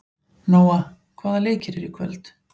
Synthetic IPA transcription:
noːwa | kʰvaːðaleːjcɪɾɛɾikʰvœ̰lt̪

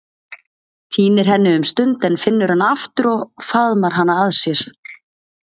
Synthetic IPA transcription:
t̪ʰiːnɪɾ̥ɦɛnːɪʏmst̪ʏnt̪ɛnfɪnːʏɾ̥hanaft̪ʏɾɔɣfaðmaɾ̥ɦanːaaðsjɛɾ̥

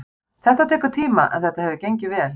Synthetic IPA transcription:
θɛht̪at̪ʰɛːkʏ̥t̪ʰiːmaʔɛ̰nθɛht̪ahɦɛvðʏcejɲcɪvɛːl

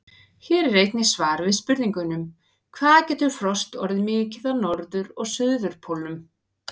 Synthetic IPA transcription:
çɛːɾɛɾejt̪nɪsvaːɾvɪðspʏɾðiŋkʏnʏm | kʰvaːðacɛːt̪ʏɾ̥fɾɔst̪ɔɾðɪmɪːcɪðanɔɾðʏɾɔɣsʏððʏɾ̥pʰolʏm

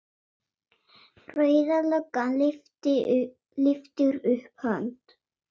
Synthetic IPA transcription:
rœːɥðalœkːaft̪ɪ | lɪft̪ʏɾʏhphœnt̪

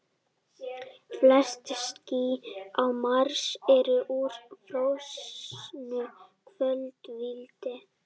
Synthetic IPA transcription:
flɛst̪sciawmaɾsɛɾʏʔuɾ̥fɾowsnʏ | kʰvœlt̪vilt̪ɪ

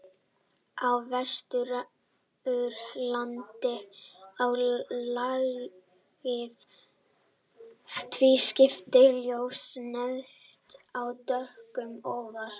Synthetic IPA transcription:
awvɛst̪ʏɾa | ʏɾlant̪ɪawlaɣ | vɪð | t̪ʰviscɪft̪ɪljowsnɛðst̪awt̪œhkʏmɔːwvaɾ̥

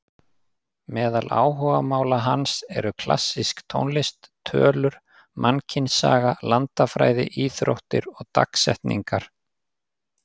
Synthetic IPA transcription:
mɛːðalʔa̰ːwɦɔːɣamaːwlaɦansɛɾʏkʰla̰sːiskt̪ʰownlɪst̪ʰːœːlʏɾ̥ | mʔancʰɪnsa̰ːɣalant̪afɾaːjðɪ̰ʔiːθɾo̰wht̪ɪɾɔɣt̪a̰ksɛ̰ht̪nḭŋkaɾ̥

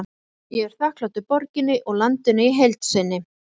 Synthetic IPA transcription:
jɛɛɾ̥θahklawt̪ʏpɔɾcɪnːɪʔɔɣlant̪ʏnɪiɦejlt̪sɪnːɪ

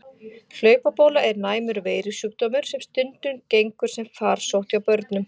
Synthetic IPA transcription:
l̥œːɥpapoːwlaʔɛɾnaːjmʏɾveːjɾɪsuːk̚t̪ɔːmʏɾ̥sɛmst̪ʏnt̪ʏncejŋkʏɾ̥sɛmfaːɾ̥sowht̪awpœɾt̪nʏm

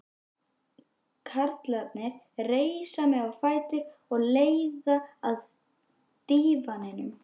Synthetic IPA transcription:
kʰaɾt̪lat̪nɪɾ̥ | reːjsamɛðawfaːjt̪ʏɾɔɣleːjðaað | t̪iːvanɪnʏm

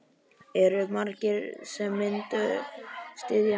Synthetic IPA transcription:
ɛɾʏmaɾcɪɾ̥sɛmːɪnt̪ʏ | st̪ɪðja

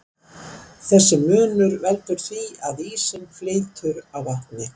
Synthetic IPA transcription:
θɛsːɪmʏːnʏɾvɛlt̪ʏɾ̥θviaðiːsɪmfleːjt̪ʰʏɾawvaht̪nɪ

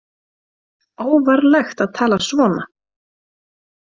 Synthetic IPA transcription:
oːwvaɾlɛxt̪aðt̪ʰaːlasvɔːna̰

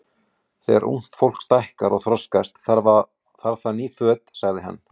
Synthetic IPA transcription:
θɛ̰ɛ̰ɾʔṵŋ̥t̪fowl̥kst̪ajhkaɾɔɣθɾɔskast̪θaɾa | θaɾθanːifœːt̪saɣðɪɦa̰nː

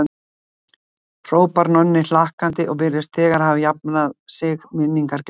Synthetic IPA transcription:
r̥oːwpaɾnœnːɪlahkant̪ɪʔɔɣpɪɾɪst̪θɛːɣaɾ̥havɪjap̚naðsɪɣmɪnːiŋkaɾc

